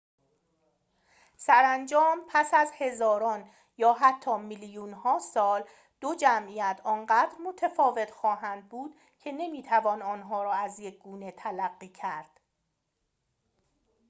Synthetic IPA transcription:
sæɾænd͡ʒɒːmpʰæsæzhe̞zɒːɾɒːn | jɒːɦæt̪ʰːɒːmiljunhɒːsɒːl | d̪̥od͡ʒæmʔijæt̪ʰɒːnɢæːd̪ɾmot̪ʰæfɒːve̞t̪ʰxɒːɦænd̪̚buːd̪̥ | cʰe̞ne̞miːt̪ʰævɒːnɒːnɦɒːɾɒːæzjec̚ʰɡuːne̞t̪ʰælæɡːiːcʰæɾd̪̥

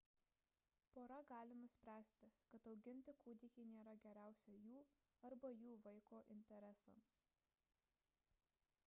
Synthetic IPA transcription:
poːɾɐɡɑːlʲɪnʊsʲpʲɾʲæːsʲt̪ʲɪkɐt̪ɒʊɡʲɪnʲt̪ʲɪkuːd̪ʲɪkʲinʲeːɾɐɡʲɛɾʲæˑʊsʲɛjuː | ɐɾbɐjuːʋɐɪkoːʔɪnʲt̪ʲɛɾʲɛsɐ̰ms

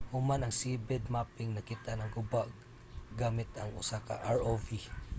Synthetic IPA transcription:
hʊmanaŋsibɛd̪mapɪŋnakit̪anaŋɡʊbaʔ | ɡamɪt̪a̰ŋʊ̰saka̰ʔaɹovi

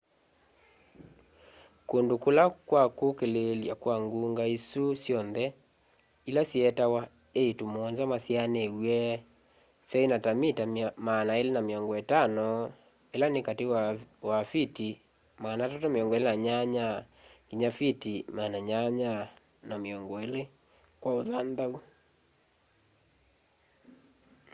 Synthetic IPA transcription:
kondokolakwakokeleljakwaŋɡuŋɡaisusjɔnðɛ | ilasiɛtawa | eitomɔnzamasianewwɛ | sɛinatamitamanaelenameɔŋɡɔetanɔ | elanekatewwafiti | maːnatatɔmeɔŋɡɔelenaɲaɲa | kiɲafitimaːnaɲaɲa | nameɔŋɡɔele | kwaoðandau

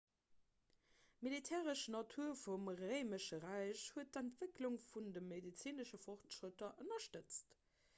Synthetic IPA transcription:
militʰɛːʁəʃnɑtʰuɐfumʁəɪməʃəʁæɪɕhuət̚dæntv̥əkluŋfundəmːedit͡siːnəʃəfoχtʃʁətɐʔənɐʃtət͡st

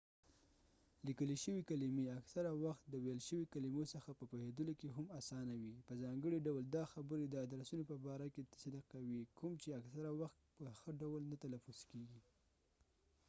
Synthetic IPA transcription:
likəliʃəwikalimeaksaɾawaxt̪̚d̪əwelʃəwikalimosəxapəpohed̪əlokeɦamasɑnawipəzɑŋɡəɽiɖawəld̪ɑxabəɾed̪əad̪ɾasunopəbɑɾaket̪sad̪aqːawikʰʊmt͡ʃeaksaɾawaxt̪̚pəxəɖawəlnat̪alafuskeɡi

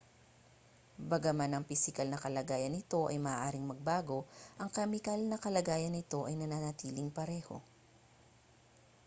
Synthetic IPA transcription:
bɐɡɐmanɐŋpɪsɪkɐlnɐkɐlɐɡaːjɐnːɪt̪o̞ʔɐ̰jmɐʔaʔaːɾɪŋmɐɡ̚baːɡo̞ʔɐŋkɐmɪkɐlnɐkɐlɐɡaːjɐnːɪt̪o̞ʔɐjnɐnanɐt̪iːlɪŋpɐɾɛːho̞̰

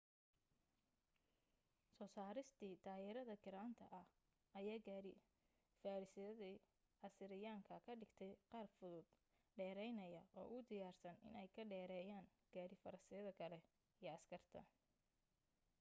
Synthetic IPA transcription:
sɔːsaːɾɪst̪ʰiːt̪ʰaːɪɾɐðɐkʰɪɾaːnt̪ʰɐʔɐh | ɐjaːɡaːɾɪ | faːɾɪsɪɐði | ɐsɪɾɪjaːŋkʰɐkʰɐɖɪɡt̪ʰɛjqɑːrfʊðʊd̪̥ | ɖɛːɾɛjnɐjɐʔɔ̰ːʔʊd̪ɪjaːrsɐnɪ̰nɛjkʰɐɖɛːɾɛːjaːŋ | ɡ̥aːɾɪfɐɾɐsɪɐðɐkʰɐlɛ | ijɞɐskʰɐrt̪ʰɐ̰

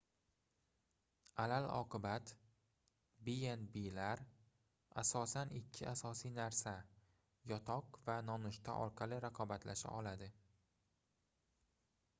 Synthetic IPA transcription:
alalɒ̰qʰɨbat̪ | bijenbilaɾ | a̰sɒsanɪkʲʰːɪʔasɒsijnaɾsa | jɒt̪ʰɒqvanɒnʊʃt̪ʰa̰ʔɒ̰ɾqʰɑlɪɾaqʰɒbat̪ʰlaʃa̰ʔɒlad̪ɪ

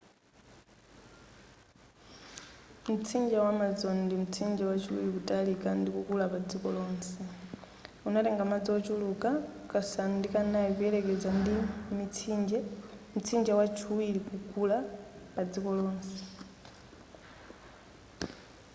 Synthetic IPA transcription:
m̩t͡sʰind͡ʒawamad͡zɔnndim̩t͡sʰind͡ʒɛwat͡ʃʰuwḭlikutʼalikandikukulapad͡zikɔlɔːnsɛ | unatɛŋɡamad͡ziɔt͡ʃulukakasanndikanaikujɛlɛkɛd͡zandimit͡sʰind͡ʒɛm̩t͡sʰind͡ʒawat͡ʃʰuwilikukulapad͡zikɔlɔːnsɛ̥

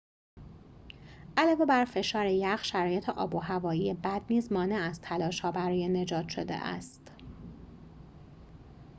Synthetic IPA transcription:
ʔælɒːve̞bæɾfe̞ʃɒːɾejæɢʃæɾɒːjet̪ʰeʔɒ̰ːboɦævɒːijebæd̪̚niːzmɒːneæzt̪ʰælɒːʃhɒːbæɾɒːjene̞d͡ʒɒːt̪ʃo̞d̪ḛʔæ̰st̪

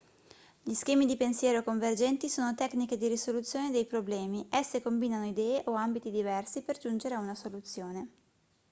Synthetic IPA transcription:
ʎiskɛːmid̪ipensjɛːɾokoɱverd͡ʒɛnt̪isoːnot̪ɛkniked̪iɾisolut̪sːjoːned̪ejpɾoblɛːmiʔɛsːekombiːnanoid̪ɛːeʔoambit̪id̪ivɛrsiperd͡ʒund͡ʒeɾeaunasolut̪sːjoːne

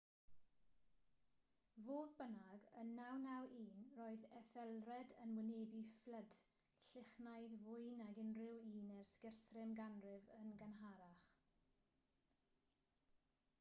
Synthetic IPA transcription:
voːðbənaɡənːawnawʔiːnroːɨðɛθɛlˠrɛdənwɪneːbifləd̥ | ɬɪχnajðvʊjnaɡɪnrɪwiːnɛrskɪrθrɪmɡanrɪvənɡanɦaɾaχ

